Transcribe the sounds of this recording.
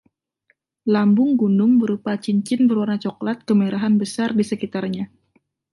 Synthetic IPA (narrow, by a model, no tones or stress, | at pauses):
lambʊŋɡunʊŋbəɾupat͡ʃiɲt͡ʃɪnbəɾwarnat͡ʃɔklat̪̚kəmaɾaɦanbəsardisəkit̪arɲa